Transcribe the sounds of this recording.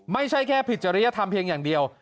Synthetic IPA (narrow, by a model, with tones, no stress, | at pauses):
ma˥˩jt͡ɕʰa˥˩jkʰɛː˥˩pʰi˨˩t̪̚t͡ɕa˧ɾa˦˥ja˦˥t̪ʰa˧mpʰi˧ŋjaː˨˩ŋdi˧əw